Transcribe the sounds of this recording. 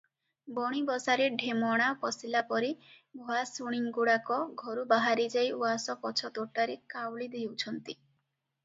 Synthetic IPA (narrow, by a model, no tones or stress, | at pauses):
bɔɽ̃ibɔsaɾeɖʱemɔɽ̃apɔsilapɔɾe | bʱɔasuɽ̃iŋɡoɽakɔɡʱɔɾubaɦaɾid͡ʒajoasɔpɔt͡ʃʰɔt̪oʈaɾekawɭid̪ewt͡ʃʰɔnt̪i